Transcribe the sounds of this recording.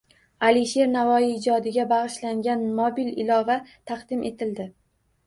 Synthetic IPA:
aliʃe̞ɾnavɒjiːd͡ʒɒd̪ɪɡʲabaʁɨʃlaŋɡʲanmobilɪlɒvat̪ʰɑqd̪̥ɪmʔe̞t̪ʰɪld̪ɪ

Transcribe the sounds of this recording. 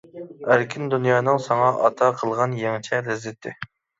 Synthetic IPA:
æɾkʲʰɪnd̪unjɑːnɨŋsɑŋɑʔɑ̰t̪ʰɑqʰəlˠʁɑnjeŋt͡ʃʰɛlɛzːɪt̪ʰːɪ̰

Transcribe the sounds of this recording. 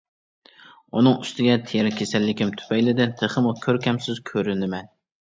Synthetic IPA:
unɨŋyst̪ʰɪɡʲɛt̪ʰejɛɾkʲʰesɛlːɪkʲɪmt̪ʰy̥pʰɛjlɪd̪ɪnt̪ʰeχɨmʊkʲʰøɾkʲʰɛmsɪzkʲʰøɾɪnɪmɛn

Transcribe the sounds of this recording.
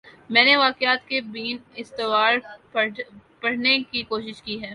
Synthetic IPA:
mɛ̃ːneʋaːkɪaːt̪kebiːnɪst̪ɪʋaːɾ | pɐɽ̤nekikoːʃɪʃkiɦɛː

